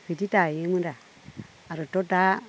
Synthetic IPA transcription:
fititajemunda | aɾotota

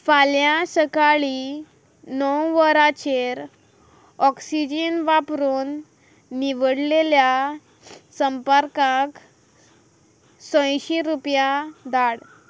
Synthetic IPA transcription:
faljãsəkaɭi | nɔwʋəɾat͡ɕeɾ | ɔksid͡ʑənʋapɾuːnː | iʋəɽlelja | səmpəɾkak | sə̃jɕiɾupjad̪aɽ

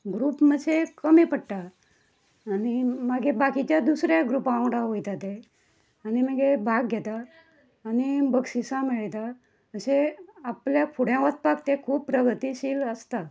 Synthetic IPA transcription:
ɡɾuːpməsʰekəmipəɽʈ̪aː | nimaɡebakit͡ɕjad̪usɾjaɡɾupãwɽaʋojt̪at̪e | añiməɡebʱaɡɡʱɛt̪aː | nibəɡsisãmeɭt̪a | əseapljakʰuɽjãʋət̪̚pakt̪ekʰuːppːɾəɡʱət̪iɕiːləst̪a

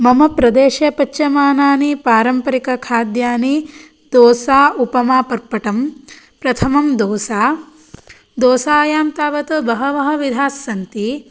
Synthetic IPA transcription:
mɐmɐpɾɐd̪eːʃɐpɐt͡ʃːt͡ʃɐmaːnaːnipaːɾɐmpɐɾikɐkʰaːd̪jaːni | d̪oːsaːupɐmaːpɐɾpɐʈɐm | pɾɐt̪ʰɐmɐmd̪oːsaː | d̪oːsaːjaːmt̪aːʋɐt̪ɐbɐɦɐʋɐɦɐ̆ʋid̪ʱaːsːɐnt̪i

